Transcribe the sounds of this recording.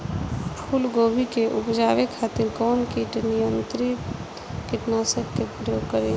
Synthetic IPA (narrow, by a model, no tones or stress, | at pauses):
pʰulɡobʱikeʔupd͡ʒaʋekʰat̪iɾkɔnkiʈnijənt̪ɾit | kiʈnasəkkːepɾəjoɡkəɾe